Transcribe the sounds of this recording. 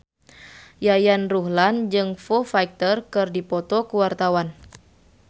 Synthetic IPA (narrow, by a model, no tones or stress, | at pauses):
jajanruɦland͡ʒɨŋfɔfaik̚t̪ərkɨrdipɔt̪ɔkuwart̪awan